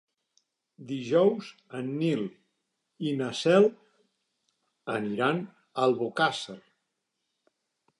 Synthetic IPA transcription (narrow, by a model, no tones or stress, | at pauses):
d̪iʒɔwz | ənːilˠ | inəsɛlˠ | əniɾan | əlˠβokasər